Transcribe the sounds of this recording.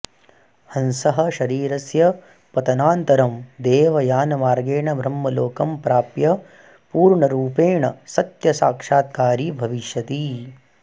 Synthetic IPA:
hɐnsɐɦɐ̆ʃɐɾiːɾɐsjɐ | pɐt̪ɐnaːnt̪ɐɾɐmd̪eːʋɐjaːnɐmaːɾɡeːɳɐbʱɾɐmːɐloːkɐmpɾaːpjɐ | puːɾɳɐɾuːpeːɳɐ̰sɐt̪jɐsaːkʂaːt̪̚kaːɾiːbʱɐʋiʃjɐt̪i

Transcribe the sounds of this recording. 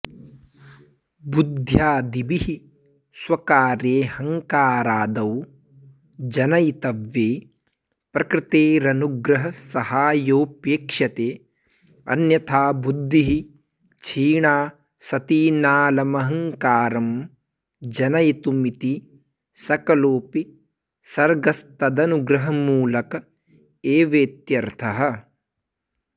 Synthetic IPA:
bud̪ʱjaːd̪ibihi | swɐkaːɾeːhɐŋkaːɾaːd̪ɐw | d͡ʒɐnɐjit̪ɐʋːeː | pɾɐkɾɪt̪eːɾɐnuɡɾɐɦɐsɐhaːjoːpeːkʂɐt̪eː | ɐ̰njɐt̪ʰaːbud̪ːiɦi | t͡ʃʰiːɳaː | sɐt̪iːnaːlɐmɐɦɐ̃ŋkaːɾɐm | d͡ʒɐnɐjit̪umit̪i | sɐkɐloːpi | sɐɾɡɐst̪ɐd̪ɐnuɡɾɐɦɐmuːlɐkɐ | eːʋeːt̪jɐɾt̪ʰɐɦɐ̆

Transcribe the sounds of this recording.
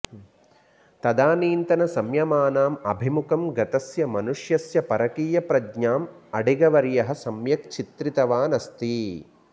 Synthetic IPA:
t̪ɐd̪aːniːnt̪ɐnɐsɐmjɐmaːnaːmɐ̰bʱimukɐmɡɐt̪ɐsjɐmɐnuʂjɐsjɐpɐɾɐkiːjɐpɾɐɡɲaːm | ɐɖiɡɐʋɐɾjɐɦɐ̆sɐmjɐk̚t͡ʃʰit̪ɾit̪ɐʋaːnɐst̪i

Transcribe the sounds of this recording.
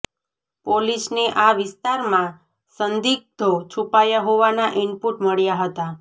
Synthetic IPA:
polisneʔaʋɪst̪aɾmã | sənd̪ik̚d̪ʱot͡ʃʰupajaɦoʋanaʔɪɳpuʈməɭjaɦət̪a

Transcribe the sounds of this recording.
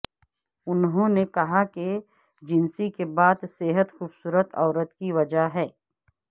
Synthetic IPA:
ʊnɦõnekɐɦake | d͡ʒɪnsikebaːd̪seːɦət̪xuːbsuːɾət̪ɔːɾət̪kiʋɐd͡ʒaɦɛː

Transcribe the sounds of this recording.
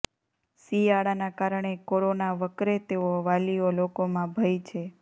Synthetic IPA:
sijaɽanakaɾɳekoɾonaʋəkɾet̪eoʋaliolokomãbʱəjt͡ʃʰe

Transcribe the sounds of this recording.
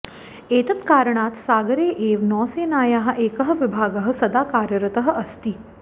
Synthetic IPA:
eːt̪ɐt̪kaːɾəɳaːt̪saːɡɐɾeːʔeːʋnɔːseːnaːjaːɦɐ̆ʔeːkɐɦɐ̆ʋɪbʱaːɡɐɦɐ̆sɐd̪aːkaːɾjɐɾɐt̪ɐɦɐ̆ʔɐst̪i

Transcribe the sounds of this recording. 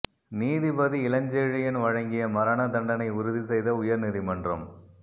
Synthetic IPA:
niːðibɐðiɪlɐɲd͡ʒeːɻɪjɪnʋɐɻɐŋɡɪjɐmɐɾɐnɐd̪ɐɳɖɐnɐɪʊɾʊðisɛjðɐʊjɐɾnɪðimɐndrɐm

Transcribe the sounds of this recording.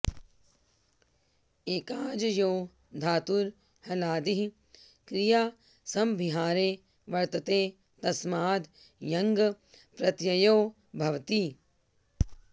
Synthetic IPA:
eːkaːd͡ʒɐjoː | d̪ʱaːt̪uɾ | hɐlaːd̪iɦ | kɾijaː | sɐmbʱiɦaːɾeː | ʋɐɾt̪ɐt̪eː | t̪ɐsmaːd̪ | jɐŋɡɐ | pɾɐt̪jɐjoː | bʱɐʋt̪i

